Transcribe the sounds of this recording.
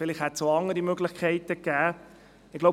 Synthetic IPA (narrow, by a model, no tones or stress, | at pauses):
fɪlɪχhɛt̪soɑŋːəɾimøɡlɪχkʰɛɪtəkæː | ɪɡ̥lo